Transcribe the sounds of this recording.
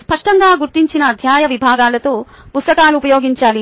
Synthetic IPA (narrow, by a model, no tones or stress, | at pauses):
spɐʂʈɐŋɡaːɡuɾt̪iɲt͡ʃinɐːd̪ʱjaːjɐʋibʱaːɡaːlɐt̪o̞ː | pust̪ɐkaːluːpɐjoːɡiɲt͡ʃaːli